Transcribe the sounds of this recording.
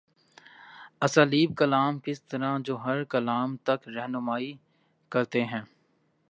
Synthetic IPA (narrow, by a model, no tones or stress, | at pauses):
ɐsaːliːb̚kɐlaːmkɪst̪ɐɾãd͡ʒoːɦɐɾkɐlaːmt̪ɐkɾɛɦnʊmaːi | kɐɾt̪eɦɛ̃ː